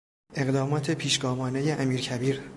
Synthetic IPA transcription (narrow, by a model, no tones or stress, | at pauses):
ʔe̞ɣd̪ɒːmɒːt̪ʰe̞pʰiːʃɡ̥ɒːvɒːne̞jeʔæmiːɾcʰæbiːɾ